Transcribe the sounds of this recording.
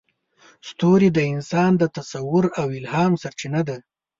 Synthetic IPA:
st̪oɾid̪əɪnsɑnd̪ət̪asawʊɾawɪlhɑmsaɾt͡ʃinad̪a

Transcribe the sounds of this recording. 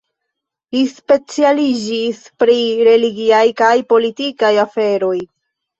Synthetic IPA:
lispe̞t͡sialid͡ʒis | pɾiɾe̞liɡiajkajpo̞litikajafe̞ɾo̞j

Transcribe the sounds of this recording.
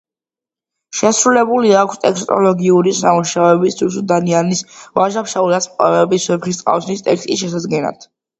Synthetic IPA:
ʃɛsɾulɛbuliakʰst̪ʼɛkʰst̪ʼɔ̰lˠɔɡiuɾisamuʃaɛbist̪ʰusud̪anianisvaʒapʃaulat̪smqʼɔ̰ɾɛbiswɛpχist̪sʼqʼa̰fsnist̪ʼɛkst̪ʼisʃɛs̬ad̪ɡɛna̰d̪̥ʰ

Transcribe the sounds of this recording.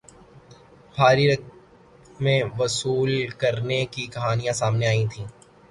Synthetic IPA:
bʱaːɾiɾɐk | mẽʋɐsuːlkɐɾnekikɐɦaːnijãsaːmneaːĩt̪ʰĩː

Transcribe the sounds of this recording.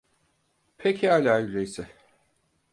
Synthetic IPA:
pʰecʰialʲaːylʲejsɛ

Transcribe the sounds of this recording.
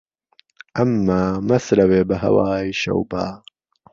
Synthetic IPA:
ʔɐmːaːmɐsɾɐweːbɐɦɐ̰waːiʃɐ̰wbaː

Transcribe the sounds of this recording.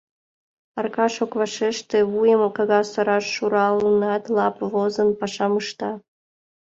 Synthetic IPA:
ɑrkɑʃokβɑʃeʃt̪ĕβujəmkɑɣɑsoɾɑʃːuɾɑlənɑt̪lɑpvozənpɑʃɑməʃt̪ɑ

